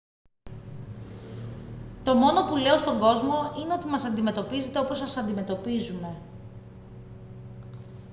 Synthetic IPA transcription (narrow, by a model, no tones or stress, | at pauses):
t̪o̞mo̞no̞pule̞o̞st̪o̞ŋɡo̞zmo̞ine̞o̞t̪imɐsɐnd̪ime̞t̪o̞pize̞t̪e̞o̞po̞sɐsɐnd̪ime̞t̪o̞pizume̞